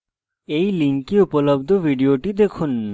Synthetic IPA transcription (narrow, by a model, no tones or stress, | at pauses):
ejliŋkiupolobd̪ʱobʱiɖioʈid̪ekʰun